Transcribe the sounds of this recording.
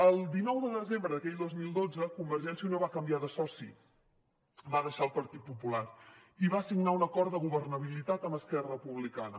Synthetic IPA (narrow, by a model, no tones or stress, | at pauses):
əlˠd̪inɔwðəðəzembɾəðəkɛʎd̪ozmilˠd̪od͡zəkumbəɾʒɛnsiəunoβakəmbiaðəsɔsḭ | βaðəʃaəlˠpəɾt̪it̪̚pupulariβaəsiɡnaunəkɔɾt̪əɣuβərnəβ̞ilit̪at̪əməskɛrəpuβlikanə